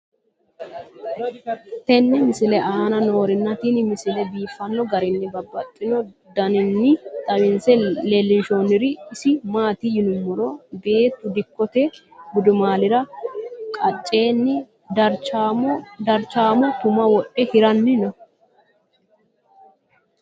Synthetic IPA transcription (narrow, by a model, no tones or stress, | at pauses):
t̪ɛnːɪmɪsɪlɛʔaːnɐno̞ːɾɪnːɐt̪inɪmɪsɪlɛbiːfɐnːɔɡɐɾɪnːɪbɐbːɐt̪ʼːɪnɔ | d̪ɐnɪnːɪt̪ʼɐwɪnsɛleːlːɪnʃoːnːɪɾɪːsɪmaːt̪ijɪnʊmːɔɾobe̞ːt̪ːʊd̪ɪkːɔt̪ɛ | ɡʊd̪ʊmaːlɪɾɐkʼɐt͡ʃʼːe̞ːnːɪ | d̪ɐɾt͡ʃː | d̪ɐɾt͡ʃaːmɔt̪ʊmɐwɔʔʼɛhɪɾɐnːɪnɐ